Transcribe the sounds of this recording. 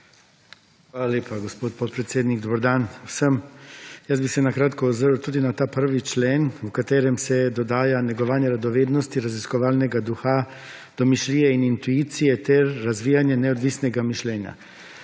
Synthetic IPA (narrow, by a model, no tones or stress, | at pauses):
xʋaːlaleːpaɡɔspoːt̪̚pot̪̚pɾɛt̪seːd̪niɡ̚d̪obəɾd̪aːnwsəmjəzbisɛnakɾaːt̪kɔːzəɾwt̪uːd̪inat̪aːpəɾʋit͡ʃleːnwkat̪eːɾɛmsɛd̪ɔd̪aːjanɛɡɔʋaːnjɛɾad̪ɔʋeːd̪nɔst̪iɾaziskɔʋaːlnɛɡad̪uxa | d̪̥ɔmiʃliːjɛinint̪uiːt̪sijɛt̪ɛɾːazʋiːjanjɛnɛɔd̪ʋiːsnɛɡamiʃlɛːnja̰